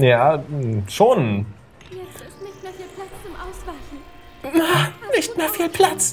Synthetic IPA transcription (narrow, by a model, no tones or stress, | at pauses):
jaːʃoːn | ʊsva | manɪçtmeːɐfiːlpʰl̥at͡s